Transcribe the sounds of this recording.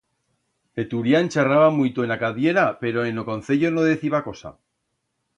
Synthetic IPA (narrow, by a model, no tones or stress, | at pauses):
pe̞t̪uɾjaent͡ʃaraβamujt̪oenakaβje̞ɾape̞ɾoenokon̟θe̞ʎono̞ð̞e̞θiβako̞sa̰